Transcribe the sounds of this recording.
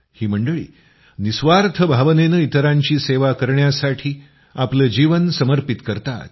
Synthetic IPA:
hiːm̤əɳɖəɭḭː | nisʋaɾt̪ʰəbʱaʋnenəit̪əɾaɲt͡ɕiːseʋakəɾɳjasaʈʰiː | apləːd͡ʑiʋənsəməɾpit̪kəɾt̪a̰t̪̚

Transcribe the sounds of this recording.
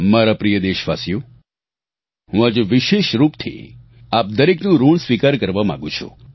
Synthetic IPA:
maɾapɾijəd̪eʃʋasjo | ɦũad͡ʒeʋɪʃeʃɾupt̪ʰḭ | ap̚d̪əɾeknũɾuɭsʋikaɾkəɾʋamã̰ɡũt͡ʃʰṵ

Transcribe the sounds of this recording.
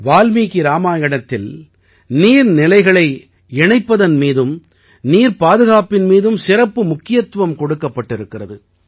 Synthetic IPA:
ʋaːlmiːkiɾaːmaːjɐɽɐt̪ːɪl | niːɾnɪlɐɪɣɐɭɐɪ | ɛɳɐɪpːɐðɐnmiːðɯm | niːɾpaːðɯɣaːpɪnmiːðɯmsɪɾɐpːɯmʊkːɪjɐt̪ʋɐmkɔɽɯkːɐpːɐʈːɪɾɯkːɪrɐðɯ

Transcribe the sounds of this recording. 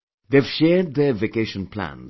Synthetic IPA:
ðev̥ʃɛːd̪̚ðəvekeɪʃə̃npʰl̥ã̰n

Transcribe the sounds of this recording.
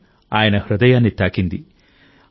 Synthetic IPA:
aːjɐnɐhɾɐd̪ɐjaːnːit̪ːaːkind̪i

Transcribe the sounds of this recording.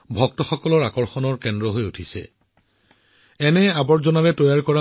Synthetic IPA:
bʱɔk̚tɔxɔkɔlɔɹakɔɹxɔnɔɹkɛndɹɔɦojutʰisɛ̰ | ɛnɛabɔɹzɔnaɹɛtɔjaɹkɔɹa

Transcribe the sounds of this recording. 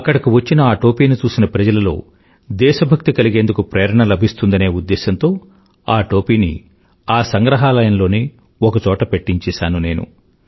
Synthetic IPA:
ɐkːɐɽɐkiʋɐt͡ʃːinɐaːʈoːpiːnit͡ʃuːsinɐpɾɐd͡ʒɐlɐlo̞ː | d̪ɛːʃɐbʱɐk̚t̪ikɐliɡe̞ːnd̪ukupɾeːjɐɾɐɳɐlɐbʱist̪und̪ɐne̞ːud̪ːɛːʃɐnt̪o̞ː | aːʈo̞ːpiːni | aːsɐŋɡɾɐɦaːlɐjɐnlo̞ːne | ɔkɐt͡ʃɔːʈɐpeʈːiɲt͡ʃɛːʃaːnune̞ːnṵ

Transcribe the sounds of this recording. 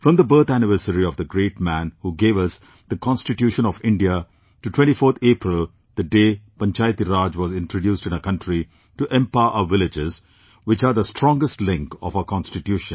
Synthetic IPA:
fɾɔ̃md̪əbəɾt̪ænɪʋəɾsəɾiɔʋd̪əɡɾeːʈmæ̃nhuɡeːʋʌs | d̪̥əkʰɔ̃nsʈɪʈjuːʃə̃nɔʋɪ̃ɳɖia | ʈuʈʰwɛ̃ɳʈifoːɾt̪ʰeːpɾɪlˠ | d̪əɖeːpɐ̃nt͡ʃajt̪iɾaːd͡ʒʋɔːzɪ̃nʈɾoɖjuːsʈɪ̃nəkʌ̃ɳʈɾi | ʈuʔɛ̃mpaɪəʔaʋɪlɪd͡ʒɪz | ʋɪt͡ʃaːɾd̪əsʈɾɔ̃ŋɡəsʈlɪ̃ŋkɔ̰faəkɔ̃nsʈɪʈjuːʃə̃n

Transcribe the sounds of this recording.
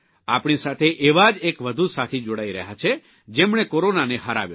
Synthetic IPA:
apɳ̃isat̪ʰeʔeʋad͡ʒekʋəd̪ʱusat̪ʰid͡ʒoɽaiɾəɦat͡ʃʰe | d͡ʒemɳekoɾonaneɦaɾa̰ʋjo

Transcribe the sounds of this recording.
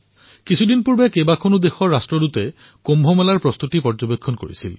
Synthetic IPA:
kisʰudinpuɹbɛkebakʰonud̪exɔɹastɹɔdutɛ | kombʱɔmɛlaɹpɹɔst̪utipɔɹzɔbekʰːɔnko̰ɹḭsil

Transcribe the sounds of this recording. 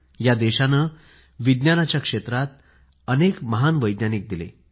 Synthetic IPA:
jad̪eɕanə | ʋid̪njanat͡ɕjakʂet̪ɾat̪̚ | ənekməɦanʋəjd̪njanik̚d̪ilḛ

